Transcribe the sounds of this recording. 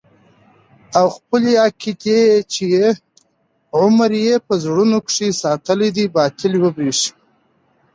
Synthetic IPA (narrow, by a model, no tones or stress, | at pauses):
awxpəliakit̪jejet͡ʃeje | ʕʊmaɾjepəzɽunukʂisɑːt̪əlid̪ibɑt̪ɪlwəbɾiʂi̥